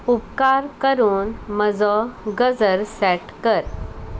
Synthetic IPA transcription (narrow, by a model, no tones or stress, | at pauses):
upkaɾkəɾuːnməd͡zɔɡəd͡zəɾsɛʈkəɾ